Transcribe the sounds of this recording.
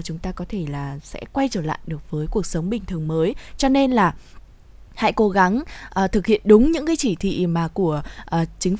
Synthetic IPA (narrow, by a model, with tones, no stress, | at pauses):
t͡ɕʊ˨˦ŋ͡mt̪aː˧kɔ˨˦t̪ʰe˧˩laː˨˩sɛ̰˧˥kwa˧jt͡ɕəː˧˩la̰ː˧˨jɗɨ˨˩ək̚vəː˨˦jku˨˩ək̚sə˨˦wŋ͡mɓï˨˩ŋ̟t̪ʰɨ˨˩əŋməː˨˦jt͡ɕɔ˧ne˧nlaː˨˩ | ha̰ː˧˥jko˨˦ɣa˨˦ŋʔəː˨˩t̪ʰɨ˨˩k̚hḭ˧˨ənɗʊ˨˦ŋ͡mɲɨ̰˧˥kaː˨˦jt͡ɕi˧˩t̪ʰḭ˧˨ʔmaː˨˩ku˧˩əʔəː˨˩t͡ɕï˨˦ŋ̟